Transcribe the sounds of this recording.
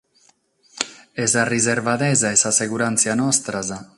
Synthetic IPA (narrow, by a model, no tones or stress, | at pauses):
ezarizeɾβaðezaesaseɣuɾansjanɔst̪ɾaza